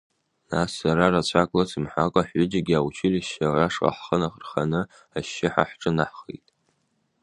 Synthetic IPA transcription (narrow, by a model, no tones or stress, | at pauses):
nasːaɾarat͡ɕʷʰakʼlasɨmħʷakʷʼaħʊd͡ʒaɡʲiawt͡ʃʰɪliʃaraʂqʼa̰ħχənaχərχanɨ | aʃːɪħa̰ħʈ͡ʂʼɨnaħχḛjtʼ